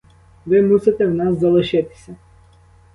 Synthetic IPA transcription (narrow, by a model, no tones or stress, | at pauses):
ʋɪmusɪt̪ɛwnɑszɐlˠɪʃɪt̪ɪ̥sʲɐ